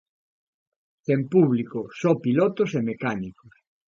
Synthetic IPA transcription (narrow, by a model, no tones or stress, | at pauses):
θempuβlikosɔpilɔt̪osemekanikos